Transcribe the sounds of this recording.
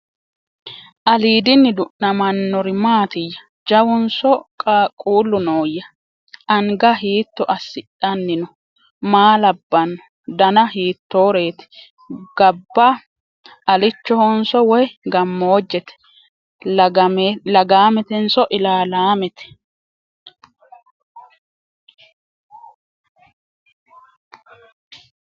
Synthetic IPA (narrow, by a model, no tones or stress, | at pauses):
ʔɐliːd̪ɪnːɪd̪ʊʔnɐmɐnːɔɾɪmaːt̪ɪjːɐ | d͡ʒɐwɔnsɔkʼkʼuːlːʊnoːjɐ | ʔɐŋɡɐɦiːt̪ːɔʔɐsːɪᶑɐnːɪnɔ | maːlɐbːɐnːɔ | d̪ɐnɐɦiːt̪ːoːɾe̞ːt̪ɛ̥ | ɡ̥ɐbːɐ | ɐlɪt͡ʃːɔhɔnsɔwɔjɡɐmːoːd͡ʒːɛt̪ɛ̥ | lɐɡaːmɛt̪ɛnsɔʔɪlaːlaːmɛt̪ɛ̥